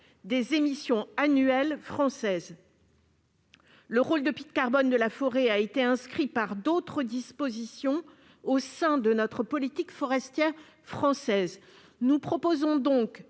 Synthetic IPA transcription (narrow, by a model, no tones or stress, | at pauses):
d̪ezemisjɔ̃anyɛlfχɑ̃sɛz | ləʁold̪əpit̪̚kaʁbɔnd̪əlafɔʁeaet̪eɛ̃skχipaʁd̪ot̪χəd̪ispozisjɔ̃ | osɛ̃d̪ənɔt̪χəpɔlit̪ikfɔʁɛst̪jɛʁ | fχɑ̃sɛz | nupχɔpozɔ̃d̪ɔ̃k